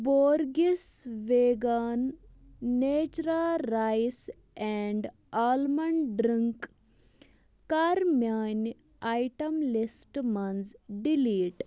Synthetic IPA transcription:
boːɾɡisʋeːɡaːnː | eːt͡ʃɾaɾajs | ɛɳɖ | aːlmɐɳɖɾiŋk | kaɾmjaːn | ajʈɐmlisʈmɐnzɖiliːʈ

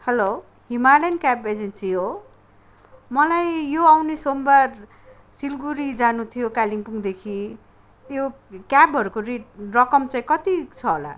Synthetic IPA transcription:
hʌlo | himalankjabed͡zensiɦo | mʌlajjoawnesombar | silɡuɾid͡zanut̪ʰijokaliŋpuŋd̪ekʰi | t̪jo | kjabɦʌɾukoreʈ̚rʌkʌmt͡saĩkʌt̪it͡sʰʌɦola̰

